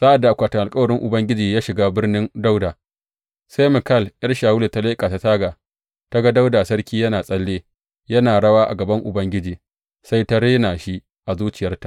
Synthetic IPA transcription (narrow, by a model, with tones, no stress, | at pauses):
sa˦ʔa˨dːa˨ʔa˨kʷaː˨tɪ˨ŋʔa˨kʼɐ˦wɐ˨ɽɪ˦ŋʔʊ˨bɐ˦ŋɡʲɪ˦d͡ʒiː˨jaː˦ʃɪ˨ɡaː˦bɪ˦rnɪ˦nda˦wdaː˨ | sa˦jmɪ˨kɐ˦˨lʔɐ˦rʃaː˨wʊ˦leː˨ta˦leː˦kʼaː˨ta˦taː˦ɡaː˨ | ta˦ɡa˦da˦wdaː˨sɐ˦ɽkʲiː˦jɐ˦naː˨sʼɐ˦lːeː˦ | jɐ˦naː˨ɽɐ˦waː˦ʔa̰˨ɡɐ˨bɐ˦ŋʔʊ˨bɐ˦ŋɡʲɪ˦d͡ʒiː˨ | sa˦jta˦ɾeː˦naː˨ʃi˦ | ʔa˨zuː˦t͡ʃɪ˨jɐ˦rta˨ʔ